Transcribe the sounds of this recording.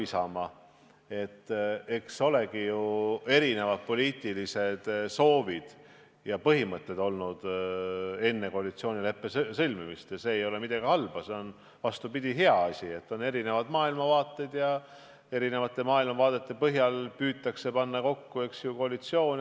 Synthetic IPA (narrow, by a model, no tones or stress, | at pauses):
isɑmɑ | e̞t̪ːe̞kso̞le̞ɡijue̞ɾine̞vɑd̪̥̚po̞lʲiːt̪ːˑilise̞d̪̥so̞ːvid̪̥ | jɑpɤɦimɤt̪ːˑe̞d̪o̞lnud̪̥ | e̞nːe̞ko̞ɑlit̪sio̞ːnʲile̞pːesɤlʲmimist̪jɑse̞ːjo̞le̞mid̪̥ɑɡihɑlb̥ɑse̞on | vɑst̪upid̪̥ʲiɦe̞ɑɑsʲie̞t̪ːo̞ne̞ɾine̞vɑd̪mɑːilmɑvɑːt̪ːˑe̞d̪̥jɑ | e̞ɾine̞vɑt̪ːˑe̞mɑːilmɑvɑːd̪̥e̞t̪ːˑe̞pɤɦjɑlpyːt̪ːˑɑkse̞pɑnːɑko̞kːue̞ksjuko̞ɑlit̪sio̞ːnʲ